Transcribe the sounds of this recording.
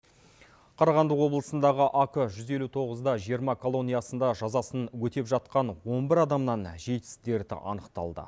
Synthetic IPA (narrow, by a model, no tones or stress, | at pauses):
qʰɑɾɑʁɑnd̪əqwo̞blˠəsənd̪ɑʁəʔakəʒʏze̞lut̪ʰo̞ʁəzd̪ɑʒijəɾmɑkʰo̞lˠo̞nʲijɑsənd̪ɑʒɑzɑsənwɵt̪e̞pʒɑt̪qɑnwo̞nbɪɾɑd̪ɑmnɑnʒe̞jt̪ɪ̥st̪e̞ɾd̪ɪ̰ʔɑ̰nəqt̪ɑ̰lˠd̪ə̰